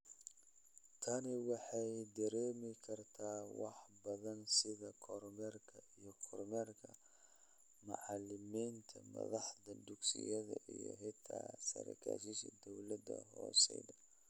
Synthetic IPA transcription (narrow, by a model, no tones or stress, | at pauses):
t̪ʰɐnɪwɑħɑjd̪ɐɾɛːmɪkʰɐrt̪ʰaːwɑħbɐðɐnsɪðɐkʰɔrmɛrkʰɐijɞkʰɔrmɛrkʰɐ | mʊʕɑlɪmiːnt̪ʰɐmɐ̰ðɑħd̪ɐd̪ʊɡsɪjɐðɐʔijɔ̰ɦɪt̪ʰa̰ːsɐ̰ɾɐ̰kʰa̰ːʃɪʃɐ̰d̪ɔwlɐd̪ɐɦɔːsɛðɐ